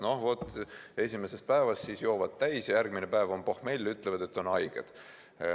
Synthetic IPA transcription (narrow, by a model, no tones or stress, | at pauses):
nohvot̪ːe̞sʲimese̞st̪̚pæevɑst̪sisjo̞ːvɑd̪̥t̪æjsjɑjærɡminepæevo̞mpo̞hme̞jlːyt̪levɑd̪̥e̞t̪ːo̞nɑjɡ̥ed̪̥